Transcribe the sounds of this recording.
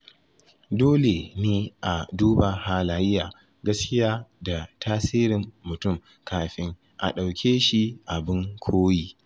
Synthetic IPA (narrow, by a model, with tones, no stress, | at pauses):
doː˦le˨neː˦ʔa˨duː˦ba˨haː˦laː˦jɪ˦jaː˨ | ɡɐ˦skʲɪ˦jaː˦da˨tʰaː˦siː˦ɾɪ˨mːʊ˨tʊ˦˨m | kʰaː˨ɸɪ˦ŋ | ʔa̰˨ɗa˨wkʲʰeː˦ʃi˦ʔa˨bɪ˦ŋkʷʰoː˦jiː˦